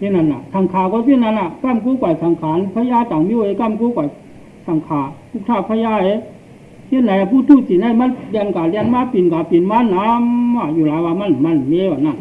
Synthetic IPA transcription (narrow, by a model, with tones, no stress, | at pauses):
te˧˨na˧˨na˨tʰa˨ŋkʰaː˨kɔ˧˦si˧˨na˧˨na˧˨ka˧˨mk̬uː˧˦˨kwa˨sa˨˦ŋkʰaː˨˦˨n˧pʰa˧˦jaː˧˥˨t̪a˨ŋmi˧˥˨e˧˦ka˧˥˨mkuː˧˦kwa˨j | sa˨˦ŋkʰaː˨˦ku˧˨k̚tʰaː˧˨pʰa˧˨jaː˧˨e˧˦ | si˧˥˨nda˨ʔa˧˨pʰuː˧˨t̪ʰuː˧˩˨t͡ɕi˨na˧˨jma˧˥˨nlnkaː˨lɛ˧˨nmaː˧˥˨pi˨nkaː˨pi˨nmaː˧˥˨na˧˦mːa˧˩˨juː˧˨laː˨˦waː˧ma˧˥˨n˨ma˧˨n˨me˧˦˨wa˨na˧˨